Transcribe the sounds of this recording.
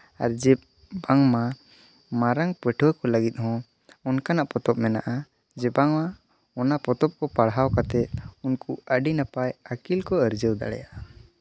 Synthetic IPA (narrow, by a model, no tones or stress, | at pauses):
a̰ɾd͡ʒɛ | baŋma | maɾaŋpɛʈʰɔwkɔləɡit̪̚ˀhɔ̃ | ɔnkanaʔpɔt̪ɔp̚mɛna̰ʔa | d͡ʒɛbaŋma | ɔnapɔt̪ɔp̚kɔpaɽɦawkat̪ɛt̪̚unkuəɖinapajakilkɔəɾd͡ʒəwd̪a̰ɽɛ̰ja̰ʔa